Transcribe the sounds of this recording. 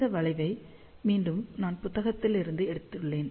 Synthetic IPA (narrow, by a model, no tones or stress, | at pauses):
d̪ɐʋɐɭɐɪʋɐɪ | miːnɖɯmnaːnpʊt̪ːɐɣɐt̪ːɪlɪɾɯnd̪ɯɛɽɯt̪ːɪɯɭːeːn